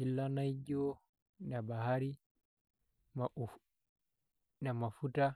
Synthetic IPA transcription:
ilːanajd͡ʒɔ | nabaɦaɾi | ma | namafuta

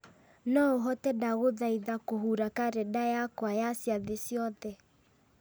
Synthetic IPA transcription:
nɔoɦɔtɛdaɣoðaiðakoɦuɾakaɾɛdajakwajasjaðesjɔðɛ

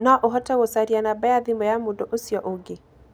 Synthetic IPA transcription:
nɔʔoɦɔtɛɣosaɾianabaaðimɔjamondɔʔosjɔʔoɡe

